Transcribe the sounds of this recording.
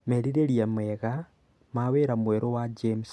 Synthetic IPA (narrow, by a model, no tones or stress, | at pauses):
meɾiɾeɾjameɣa | maweɾamweɾowad͡ʒems